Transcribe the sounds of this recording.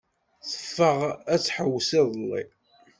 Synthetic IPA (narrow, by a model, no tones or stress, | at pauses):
θə̥fːəʁæt͡sːħəwːsɪðˤəlːḭ